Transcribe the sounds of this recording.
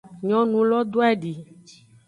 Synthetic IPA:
ɲɔ̃˦nũ˨lɔ˦d̪o˦ɛ˦ɖi˨

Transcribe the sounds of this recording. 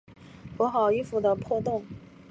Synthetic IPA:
kwɔ˧˥xɑ˨˩ʊi˥˧fu˥˩d̪ə˧pʰwɔ˥˧t̪ʊ˥˩ŋ

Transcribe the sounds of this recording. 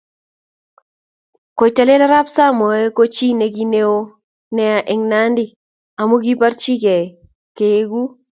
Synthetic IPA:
ko˨t͡ʃa˨le˦la˦ɾa˦psa˦mɔ˨e˦ko˦t͡ʃi˦ne˨k̬i˦ne˦o˦ | nɛ˨a˨ʔɛ˨ŋna˦ndɪ˦˨ | a˨mo˦k̬i˦pa˦ɾt͡ʃi˦kɛ˨ | ke˨e˦ɡu˦

